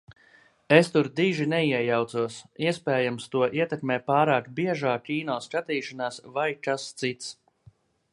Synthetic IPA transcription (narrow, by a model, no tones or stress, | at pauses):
est̪uɾd̪iːʒinɛiɛjawt̪suɔsiɛspeːjamst̪uɔʔiɛt̪ɛkmɛːpaːɾaːkbiɛʒaːkʲːiːnɔːst͡ʃat̪iːʃanaːsvajkast̪sit̪s